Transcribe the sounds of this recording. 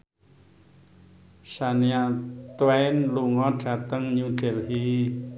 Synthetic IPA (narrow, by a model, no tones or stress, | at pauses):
saniat̪wɛɪnluŋɔɖ̥a̤t̪əŋɲuɡ̥ɛlɦi